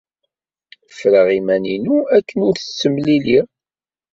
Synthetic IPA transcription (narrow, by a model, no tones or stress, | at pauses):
fɾəʁimæninuækːənʊɾθət͡sːəmlili